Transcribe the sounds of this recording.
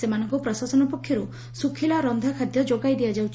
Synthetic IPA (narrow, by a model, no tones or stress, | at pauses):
semanɔŋkɔpɾɔsasɔnɔpɔkʰːjɔɾu | sukʰilaɾɔnd̪ʱakʰad̪jɔd͡ʒoɡajd̪ijad͡ʒawt͡ʃʰ